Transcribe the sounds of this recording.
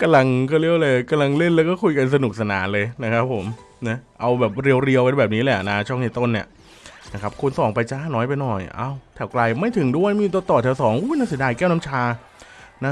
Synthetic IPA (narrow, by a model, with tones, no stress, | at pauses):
ka˧mla˧ŋkɔː˥˩li˥˩əwlɤː˧jka˧mla˧ŋle˥˩nlɛː˦˥wkɔː˥˩kʰu˧jka˧ns̬a˧nu˨˩k̚sa˧na̰ː˩˦nlɤː˧jna˦˥kʰa˦˥pʰːo˨˩˦m | na˦˥ʔa˧wbɛː˨˩p̚ɾi˧əwɾi˧əwka˧nbɛː˨˩p̚niː˦˥lɛ˨˩na˦˥t͡ɕʰɔ˥˩ŋniː˧˥˩t̪o˥˩nːi˥˩ə | na˦˥kʰa˦˥p̚kʰu˧nsɔː˩˦ŋpa˧jt͡ɕa˧˥˩nɔː˦˥jpa˧jnɔ˨˩jʔa̰ː˧˩wt̪ʰɛː˨˩wkla˧jma˥˩jt̪ʰɯ˨˩˦ŋdu˥˩əjmiː˧t̪̬o˧˦t̪ːɔː˨˩t̪ʰɛ˨˦wsɔː˩˦ŋʔu˦˧˥naː˧˥˩si˩˦daː˧jkɛː˥˩wna˦˥mt͡ɕʰaː˧ | na˦˥